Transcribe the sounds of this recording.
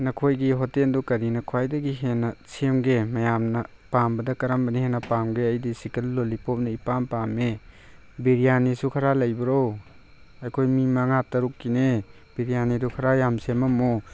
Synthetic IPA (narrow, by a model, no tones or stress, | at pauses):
nɐkʰojɡiɦɔtendukɐɾinɐkʰuajdɐɡiɦenɐsemɡemɐjamnɐ | pambɐdɐkɐɾɐmbɐnihenɐpamɡeɐjdisikɐlːolipop̚nɐipampame | biɾijanisukʰaɾalɐjbɐɾow | ɐjkʰojmimaŋatɐɾukːine | b̥iɾijanidukʰɐɾajamsemɐmo